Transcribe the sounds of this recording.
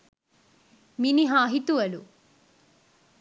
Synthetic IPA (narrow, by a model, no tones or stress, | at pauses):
miniɦaːɦit̪uʋɐlṵ